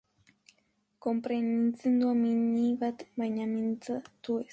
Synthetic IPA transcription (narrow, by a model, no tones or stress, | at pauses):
kompɾenint͡sɨnd̪uaminibat̪maɲamint͡sat̪ues